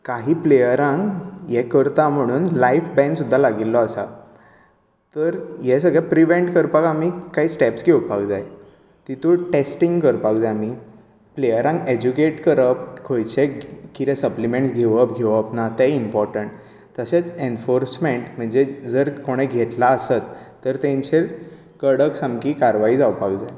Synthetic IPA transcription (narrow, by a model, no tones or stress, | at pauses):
kaɦiːplejəɾãŋkjekəɾt̪am̤əɽ̃uːnlaifbɛ̃nsud̪ʱːalaɡilːɔasa̰ | t̪əɾjesəɡɭapɾiʋeɳʈkəɾpakamikaɦiːsʈɛpsɡʱewpakd͡zaj | t̪it̪uʈesʈiŋɡkəɾpakd͡zami | plejəɾãŋɡed͡ʑukeʈkəɾəpkʰojt͡ɕekit̪ɛ̃səplimẽɳʈsɡʱeʋəpɡʱeʋəpnat̪ɛimpɔɾʈəɳʈ | t̪əɕet͡senfoɾsmeɳʈm̤əɳd͡zed͡zəɾkoɽ̃ẽɡʱet̪laːsət̪ː | əɾt̪ẽɲt͡ɕeɾ | kəɽəksamkikaɾʋaiːd͡zawpakd͡zaj